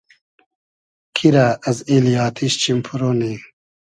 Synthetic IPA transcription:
kʰiɾaɐzilijaːt̪ʰiɕt͡ɕimpʰuɾoːni

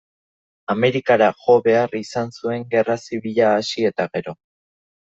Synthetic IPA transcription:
ame̞ɾikaɾaʝo̞βe̞arisansue̞ŋɡe̞rasiβiʎaːsie̞t̪aɣe̞ɾo̞

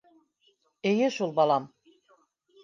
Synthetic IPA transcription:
ejɘʃulˠbɑlˠɑm

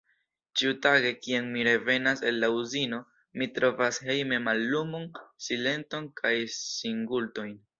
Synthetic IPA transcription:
t͡ʃiutaɡe̞kianmiɾe̞ve̞nase̞lːauzino̞ | mitɾo̞vashe̞jme̞malːumonsile̞nto̞nkʰajsiŋɡulto̞jn

